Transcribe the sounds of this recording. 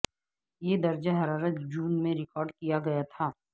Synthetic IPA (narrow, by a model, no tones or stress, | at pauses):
jed̪ɐɾd͡ʒaɦɐɾaːɾət̪d͡ʒuːnmẽɾɪkɔːɾɖkijaɡɐjat̪ʰaː